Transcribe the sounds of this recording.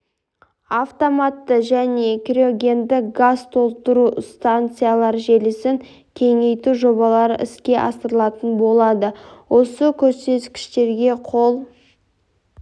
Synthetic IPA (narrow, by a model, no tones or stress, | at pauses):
aft̪o̞mat̪ːəʒæne̞kʲɾʲeo̞ɡʲe̞nd̪ɪɡazt̪ʰo̞lˠt̪əɾust̪ant̪sɨjalˠɑɾʒe̞lɪsɪŋ | kʲʰe̞ŋe̞jt̪uʒo̞bɑlˠɑɾə̰ʔɪskʲe̞ʔɑsəɾəlˠɑt̪ənbo̞lˠɑd̪əwʔo̞səkʲʰɵɾse̞t̪kʲɪ̥ʃt̪e̞ɾɡʲe̞qʰo̞lˠ